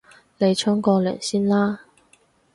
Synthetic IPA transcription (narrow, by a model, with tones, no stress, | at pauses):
le˨˧jt͡ʃʰɔː˥ŋkɔː˧lœ̰ː˨˩ŋsiː˥nlaː˥